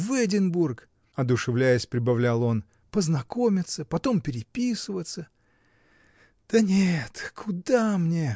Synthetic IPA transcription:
vɛdʲɪnburk | ɐd̪ʊʂɨvlʲæjəsʲpɾʲɪbɐvlʲælˠo̞n | pəznɐko̞mʲɪt̪səpɐt̪o̞mpʲɪɾʲɪpʲisɨvət̪sə | d̪̥ənʲet̪kʰʊd̪amnʲe

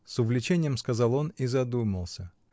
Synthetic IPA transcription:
sʊvlʲɪt͡ɕenʲɪjəmskɐzɑlˠo̞nizɐd̪uməlˠsʲə

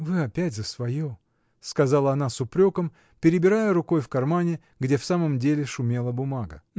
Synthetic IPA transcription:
vɨɐpʲætʲzəsvɐjo | skɐzalˠəɐnasʊpɾʲo̞kəm | pʲɪɾʲɪbʲɪɾajəɾʊko̞jfkɐrmanʲɪ | ɡdʲe̞fsaməmdʲelʲɪʂʊmʲe̞lˠəbʊmaɡə̰

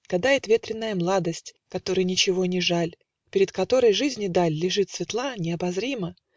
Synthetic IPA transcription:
ɡ̥ɐd̪ajɪt̪vʲe̞t̪ɾʲɪnːəjəmlˠad̪əsʲtʲ | kɐt̪o̞ɾɨjnʲɪt͡ɕɪvo̞nʲɪʐalʲ | pʲɪɾʲɪt̪kɐt̪o̞ɾəjʐɨzʲnʲɪd̪alʲːɪʐɨt̪svʲɪt̪lˠanʲɪɐbɐzɾʲimə

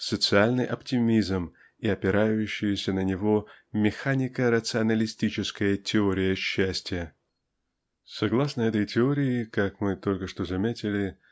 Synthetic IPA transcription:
sət̪sɨalʲnɨjʔɐptʲɪmʲizm | ɪɐpʲɪɾajʉɕːɪjəsʲənənʲɪvo̞mʲɪxanʲɪkəɾət̪sɨɐnəlʲɪsʲtʲit͡ɕɪskəjətʲɪoɾʲɪjəɕːæsʲtʲɪjə | sɐɡlˠasnəɛt̪əjtʲɪoɾʲɪɪkakmɨt̪o̞lʲkəʂt̪o̞zɐmʲetʲɪlʲɪ

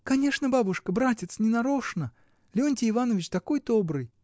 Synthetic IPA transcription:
kɐnʲe̞ʂnəbabʊʂkəbɾatʲɪt̪snʲɪnɐɾoʂnə | lʲɪonʲtʲɪɪvanəvʲɪt͡ɕt̪ɐko̞jd̪obɾɨj

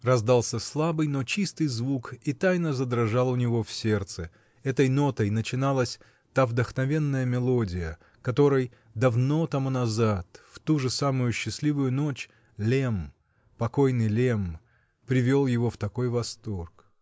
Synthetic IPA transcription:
rɐzd̪alˠsʲəslˠabɨjnot͡ɕist̪ɨjzvukit̪ajnəzəd̪ɾɐʐɑlˠʊnʲɪvo̞fsʲe̞rt̪sɨ | ɛt̪əjno̞t̪əjnət͡ɕɪnalˠəsʲ | t̪avd̪əxnɐvʲe̞nːəjəmʲɪlˠo̞dʲɪjə | kɐt̪o̞ɾɨj | d̪ɐvno̞t̪ɐmunɐzat̪ft̪uʐɨsamʊjʊɕːɪsʲlʲivʊjʊno̞t͡ɕ | lʲem | pɐkojnɨjlʲem | pɾʲɪvʲo̞lˠjɪvoft̪ɐkojvɐst̪o̞rk

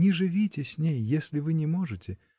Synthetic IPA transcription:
nʲɪʐɨvʲitʲɪsʲnʲejːesʲlʲɪvɨnʲɪmoʐɨtʲɪ

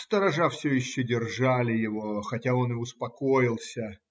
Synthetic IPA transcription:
st̪əɾɐʐafsʲɵjɪɕːɵdʲɪrʐalʲɪjɪvo̞xɐtʲao̞nɪʊspɐkojɪlˠsʲə

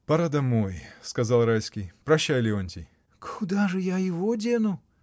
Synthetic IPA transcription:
pɐɾad̪ɐmojskɐzɑlˠralʲskʲijpɾɐɕːajlʲɪonʲtʲɪj | kʰʊd̪aʐɨjajɪvodʲenʊ

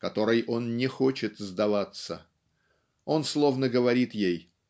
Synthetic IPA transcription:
kɐt̪o̞ɾɨjʔo̞nnʲɪxo̞t͡ɕɪt̪zd̪ɐvat̪sə | o̞nslˠo̞vnəɡəvɐɾʲit̪jej

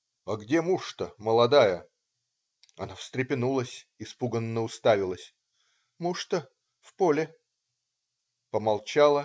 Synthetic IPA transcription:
ɐɡdʲemuʂt̪əməlˠɐd̪ajə | ɐ̰nafst̪ɾʲɪpʲɪnulˠəsʲɪspuɡənːəʊst̪avʲɪlˠəsʲ | muʂt̪ə | fpolʲɪ | pəmɐlˠt͡ɕalˠə

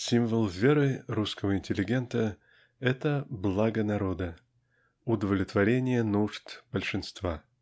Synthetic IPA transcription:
sʲimvəlˠvʲeɾɨɾuskəvəɪnʲtʲɪlʲːɪɡʲe̞nt̪ə | ɛt̪əblˠaɡənɐɾo̞d̪ə | ʊd̪əvlʲɪt̪vɐɾʲenʲɪjənuʐt̪b̥əlʲʂɨnst̪va

